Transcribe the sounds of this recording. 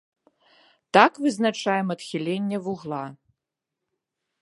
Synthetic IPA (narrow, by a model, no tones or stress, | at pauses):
t̪akvɨznat͡ʂajɛmɐt̪xʲilʲenʲːɛvuɣlˠa